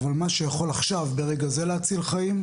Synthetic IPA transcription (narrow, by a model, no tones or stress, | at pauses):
valmaʃejaχo̞laχʃavbe̞ʁeɡaze̞leat͡silχaim